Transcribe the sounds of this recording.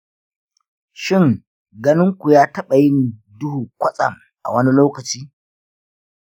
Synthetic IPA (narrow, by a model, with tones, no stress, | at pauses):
ʃɪ˦˨ŋ | ɡɐ˦nɪ˦ŋkʷu˨jaː˦tɐ˦ɓa˨jɪ˦n˨ | dʊ˦huː˨kʷɐ˦sʼɐ̰˨m | ʔa̰˨wɐ˦ni˦loː˦kɐ˨t͡ʃiː˦